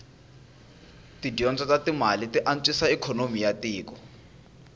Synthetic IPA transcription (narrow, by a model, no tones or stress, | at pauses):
tidiɔnt͡sʼɔtatimalitiʔant͡sʼisaɛkʰɔnomijatiːkɔ